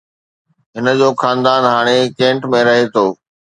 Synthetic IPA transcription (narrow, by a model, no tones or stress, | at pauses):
ɦɪn̆d͡ʑoːxãːnd̪aːnɦaːɽ̃ekẽːɳʈmẽɾɐɦet̪ʰoː